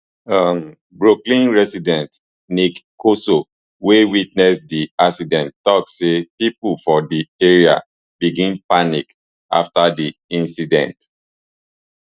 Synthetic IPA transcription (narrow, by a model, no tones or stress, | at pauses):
am | bɹoklĩnɹɛsidɛ̃nt | nikkoso | wewit̚nɛsdiasidɛ̃nttɔksepipulfɔdieɹia̰ | biɡĩmpanik | a̰ftadiĩnsidɛ̰̃nt